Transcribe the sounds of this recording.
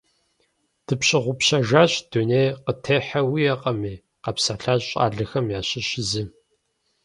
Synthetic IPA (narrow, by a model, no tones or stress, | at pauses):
d̥ɨpɕʼɪʁʷʊpɕɐʒaːɕd̥unejqətʰeːħɐwijɐqʼɐmeː | qɐpsaɬaːɕɕʼa̰ːɮɨxɐmjaːɕɪɕɪzɨ